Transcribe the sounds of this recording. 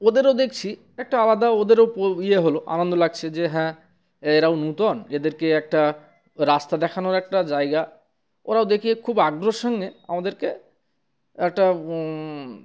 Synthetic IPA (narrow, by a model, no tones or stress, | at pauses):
od̪eɾowd̪ekʰt͡ɕʰi | ɛk̚ʈaalad̪aod̪eɾowpoieɦoloʔa̰nond̪olaɡ̚t͡ɕʰed͡ʑeɦɛ̃ | eɾawnut̪ɔned̪eɾkeɛk̚ʈa | ɾast̪ad̪ɛkʰanoɾɛk̚ʈad͡ʑaeɡa | o̰ɾaod̪ekʰiekʰubaɡɾoʃɔŋɡea̰mad̪eɾke | ɛk̚ʈa